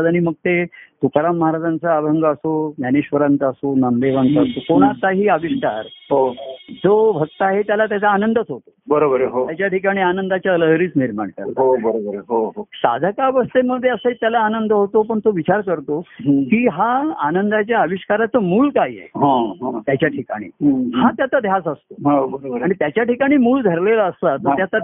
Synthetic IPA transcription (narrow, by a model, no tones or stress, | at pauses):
d͡zaɽ̃iməɡ̚t̪et̪ukɾamːəɦaɾad͡zant͡saːbʱəŋɡəəsonjaniɕʋəɾant̪əsonand̪eʋant̪asokoɽ̃at̪aɦiːəʋiɕkaɾɦod͡zobʱək̚t̪əaɦet̪jalat̪jat͡saːnənd̪ət̪ɦot̪o̥bəɾobəɾɦojat͡ɕjaʈʰikaɽ̃ianənd̪at͡ɕjaələɦɾiːt͡sniɾma̰ɳka̰ɾɦobəɾobəɾɦoɦosa̰d̪ʱəkaʋəst̪eməd̪ʱːjeəsəet̪jalaːnənd̪əɦot̪opəɳt̪oʋit͡ɕaɾkəɾt̪okiːɦaanənd̪at͡ɕjaəʋiʂkaɾat͡səmuːlkaijḛɦãɦãt̪jat͡ɕjaʈʰika̰ɽ̃ḭːɦhãt̪jat̪ad̪ʱjasəst̪oɦabəɾoɾaɽ̃it̪jat͡ɕjaʈikaɽ̃iːmuːld̪ʱəɾlelaəst̪at̪əɾjat̪a